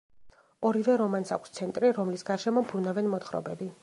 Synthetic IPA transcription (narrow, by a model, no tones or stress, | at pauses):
ɔɾivɛɾɔmansa̰kʷʰst̪sʰɛnt̪ʼɾiɾɔmlisɡaɾʃɛmɔmbɾunavɛnmɔt̪χɾɔ̰bɛbi